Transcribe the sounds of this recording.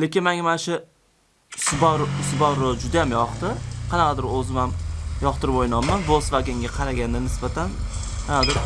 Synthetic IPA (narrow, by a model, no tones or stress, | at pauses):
lekʲɪnmaŋamanʃʊ | sbɒɾʊsbɒɾod͡ʒʊd̪ajamjɒqt̪ɪqʰɑnɑqʰɑd̪ɪɾɵzɪmamjɒqt̪ɪɾpojnɒnmːanvosvaɡʲɪŋɡʲaqʰɑɾaɡʲand̪anɪsbat̪ʰan | qʰɑnɑd̪ɪɾ